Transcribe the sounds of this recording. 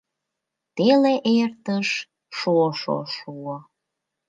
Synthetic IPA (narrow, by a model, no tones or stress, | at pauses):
t̪eleʔert̪əʃ | ʃuoʃo̰ʃuo